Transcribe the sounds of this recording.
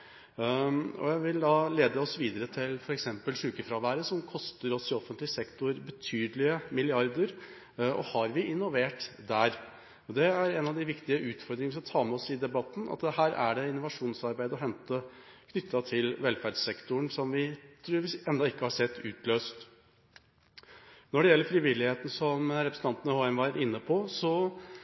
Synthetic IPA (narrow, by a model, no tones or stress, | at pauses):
ɔ̰jæɪʋɪld̪ɑːleːd̪əɔsʋiːd̪əɾət̪ʰɪlfɔɾɛksɛmpəlʂʉːkəfɾɑːʋæːɾəsɔmkʰɔst̪əɾɔsɪɔfənt̪lɪsɛkt̪ʊɾbət̪ʰyːd̪lɪəmɪlɪɑɾd̪əɾ | ɔ̰hɑɾʋɪʔɪnːʊʋeːʈd̪æɾ | ɔd̪ɛæɾɛnɑʋd̪ɪʋɪkt̪ɪəʉːt̪fɔɾd̪ɾɪŋəʋɪskɑt̪ʰɑːmɛɔsɪd̪ɛbɑt̪ːn̩ʔɑ̰t̪d̪ɛhæːɾʔæ̰ɖɛɪnːʊʋɑʂuːnsɑɾbæɪd̪əɔɦɛnt̪ə | kʰnʏt̪ʰːɑt̪ʰɪlʋɛlfæːɖsɛkt̪ʊəɳsɔmʋɪt̪ʰɾʉːʋɪsɛnd̪ɑɪkːəhɑʂɛt̪ːʉːt̪løːst̪ | nɔɖɛjɛlːəɾfɾɪʋɪlːɪheːt̪n̩sɔmɾɛpɾəsn̩t̪ɑnt̪ənəhoːɛmʋæɾɪnːəpʰɔsɔ